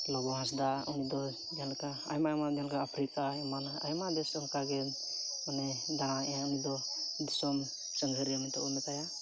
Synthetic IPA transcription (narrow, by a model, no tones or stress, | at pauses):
lɔbɔɦãs̬d̪aunid̪ɔ | dialka | ajmaɛmadialkaapʰɾikaɛman | ajmad̪ɛsɯŋkaɡɛ | ɔnɛd̪añaaunid̪ɔ | d̪isɔm | səŋɦəɾiamit̪ɔɔmɛt̪aja